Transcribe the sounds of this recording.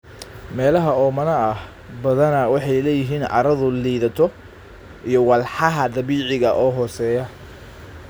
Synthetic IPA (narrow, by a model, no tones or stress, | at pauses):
mɛːlɐɦɐɔːmɐnɐɐh | bɐðɐnɐwɑħɑjlɛːjɪɦiːnʕɑ̰ɾɐðʊliːðɐt̪ʰɔ | ʔijɔwɑlħɑɦɐd̪ɐβiːʕɪɣɐʔɔːɦɔːsɛːjɐ